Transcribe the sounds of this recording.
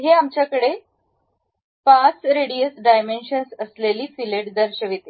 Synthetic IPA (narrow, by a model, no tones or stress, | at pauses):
ɦeamt͡ɕjakəɽe | pat͡sɾeɽiəsɖajmenɕənsəsleliːfileʈd̪əɾɕəʋit̪e